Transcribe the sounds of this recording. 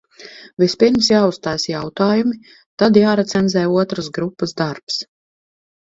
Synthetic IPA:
vispiɾmsjaːust̪aːjsjawt̪aːjumi | t̪ad̪jaːɾat̪sɛnd̪zɛjuɔt̪ɾəsɡɾupːasd̪aɾps

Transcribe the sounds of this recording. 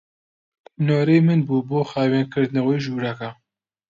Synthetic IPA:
noːɾeːmɨnbuːboːxaːweːnkʰɨɾd̪naweːʒuːɾaka

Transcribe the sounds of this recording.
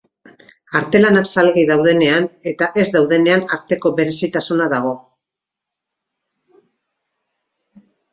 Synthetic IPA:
aɾt̪e̞lanaksalɣiðawð̞e̞ne̞ane̞t̪aʔe̞zd̪awðe̞ne̞anaɾt̪e̞ko̞βe̞ɾe̞sit̪asunaðaɣ̞o̞

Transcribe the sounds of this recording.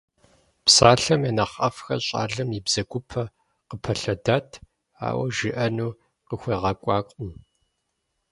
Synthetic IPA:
psaːɬɐmɐnɐχɐfxɐɕʼa̰ːɮɐmibz̥ɐɡʷʊpʰɐ | qəpʰɐɬɐdaːtʰ | a̰ːwɐ̰ʒɪʔɐnuː | qəxʷeːʁɐkʷʼɑːkʷʼʊm

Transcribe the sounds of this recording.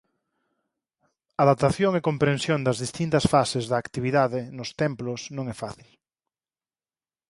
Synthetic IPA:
aðap̚t̪aθjoŋekompɾẽnsjõnd̪azðist̪int̪asfasezðaːkt̪iβiðaðenost̪emplosnõŋɛfaθil

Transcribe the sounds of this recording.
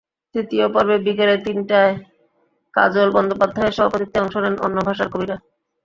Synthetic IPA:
st̪ɾit̪iopɔɾbebikalet̪inʈae | ka̰d͡ʑolbɔnd̪opad̪ʱːaeʃɔbapot̪ikt̪ːeɔŋʃoɾeno̰nːobʱaʃaɾkobiɾa

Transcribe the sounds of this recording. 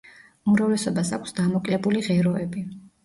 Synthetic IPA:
umɾavlɛsɔbasakʷʰsd̪amɔkʼlɛbuliʁɛɾɔɛbi

